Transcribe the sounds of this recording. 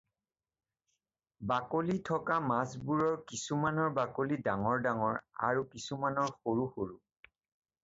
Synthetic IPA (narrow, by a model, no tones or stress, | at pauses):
bakolitʰɔkamasbuɹɔɹkisumanɔɹbakolidaŋɔɹdaŋɔɹa̰ɹukisumanɔɹxoɹuxoɹu